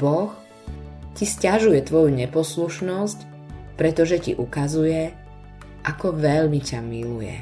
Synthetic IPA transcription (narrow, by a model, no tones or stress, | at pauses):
b̥ɔx | ciscaʒujɛt̪ʋɔjuɲɛpɔsluʃnɔsc | pɾɛt̪ɔʒɛcḭʔukazujɛ | ʔakɔʋɛʎmicamilujɛ̰